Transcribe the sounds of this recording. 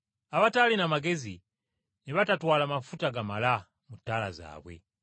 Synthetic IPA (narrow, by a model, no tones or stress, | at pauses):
aβatalinamaɡezi | niβatatwalamafutaɡamala | mutala̰za̰βwɛ̰